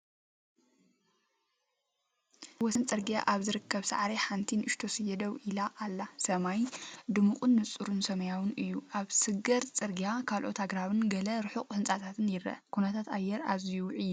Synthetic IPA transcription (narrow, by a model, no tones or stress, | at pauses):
wɔsɨnt͡sʼɨɾɡija̰ʔaβzɨɾɨkʰːɐβsa̰ʕɾeħant̪ʰinɨʃt̪ʰo̞sɨjɛd̪ɐwʔilaʔalːasɐmajd̪ɨmuqʼunːɨt͡sʼːuɾunsɐmɐjawɨnɨjːuʔaβsɨɡɐɾt͡sʼɨɾɡijakʰalʔot̪ʰaɡɾaβɨnɡɐlɐɾɨħukʼhɨnt͡sʼat̪ʰat̪ʰɨnjɪɾɐ̰kʰunɐt̪ʰat̪a̰jːɛɾa̰zijuʕijːu